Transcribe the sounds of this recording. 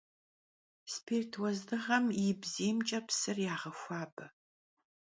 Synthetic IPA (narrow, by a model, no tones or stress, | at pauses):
spʰeːrtʰwɐzdɨʁɐmjɪbziːmt͡ʃʼɐpsɨrjaːʁɐxʷaːbɐ